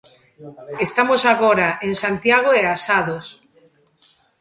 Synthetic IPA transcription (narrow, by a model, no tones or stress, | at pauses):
est̪amosaɣoɾaeŋsant̪jaɣ̞oeasaðos